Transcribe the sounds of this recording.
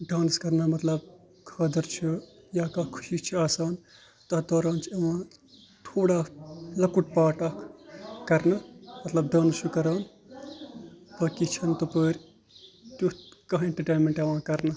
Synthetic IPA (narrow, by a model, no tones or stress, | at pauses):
ɖãːnskɐɾnɐmɐt̪lɐb̚ | kʰɐːd̪ɐɾt͡ʃʰu | jakaːkʰu̥ʃit͡ʃʰiaːsaːn | t̪ɐd̪ɔːɾaːnt͡ʃʰiɐʋãː | ʈ̪ʰoːɽalɐkuʈ̚paːʈakkɐɾnɐmɐt̪lɐb̚ɖaːnst͡ʃʰukɐɾaːn | pɐːkit͡ʃʰɐnt̪upəːɾʲ | t̪ut̪kɐɦẽɳʈɐʈeːnmeɳʈɐʋãːkɐɾnɐ